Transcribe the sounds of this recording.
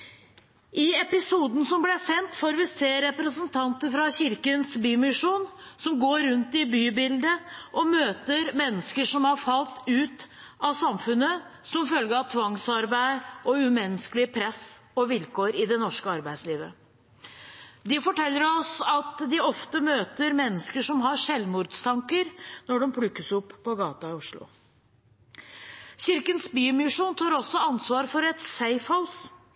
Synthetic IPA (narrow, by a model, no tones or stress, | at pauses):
ʔɪɛpɪsuːd̪n̩sɔmblæsɛnt̪fɔɾʋɪseːɾɛpɾəsənt̪ʰɑnt̪əfɾɑçɪɾkənsbyːmɪʂuːn | sɔmɡoːɾʉnt̪ɪbyːbɪld̪əʔɔmøːt̪əɾmɛnːəskəʂɔmhɑɾfɑlt̪ʉːt̪ | ɑsɑmfʉnːə | sɔmfœlɡəɾɑʋt̪ʰʋɑŋsɑɾbæɪɔʉmɛnːəskəlɪpʰɾɛsɔʋɪlkoːɾɪd̪ɛnɔʂkəɑɾbæɪsliːʋə | d̪ɪfɔʈʰɛlːəɾɔsɑt̪d̪ɪɔft̪əmøːt̪əɾmɛnːəskəʂɔmɦɑʂɛlmuːɾd̪st̪ʰɑŋkəɾnɔɖɔmpʰɽʉkːəsʊpːʰɔɡɑːt̪ɑɪʊʂɭʊ̰ | ɕɪɾkənsbyːmɪʂuːnt̪ʰɑːɾɔsːɔɑnsʋɑːɾfɔɾɛt̪sæɪfhaʊs